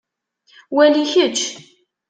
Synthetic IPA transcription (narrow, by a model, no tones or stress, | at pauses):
wæliçət͡ʃː